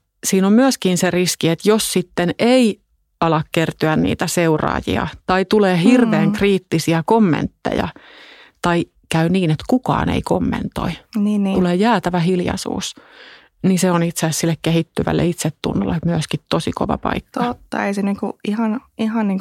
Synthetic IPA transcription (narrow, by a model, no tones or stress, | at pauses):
siːnommyøskinseriskiet̪jossit̪ːenei | ɑlɑkkert̪yænnḭːt̪æseurɑ̰ːjḭɑ̰t̪ɑit̪uleːhirʋeːŋkriːt̪ːisiækomːḛnt̪ːḛjɑ̰t̪ɑi | kæyniːnet̪kukɑ̰ːnḛikomːḛnt̪o̰iniːtuleːjæːt̪æʋæhiljɑ̰sṵːs | niseonit̪sessilːekkehit̪ːyʋæ̰lːḛit̪set̪tṵnːo̰lːemyøskit̪t̪osiko̰ʋɑ̰pɑ̰ikːt̪ɑot̪ːɑ̰eiseniːŋkuihɑnihɑnniːŋk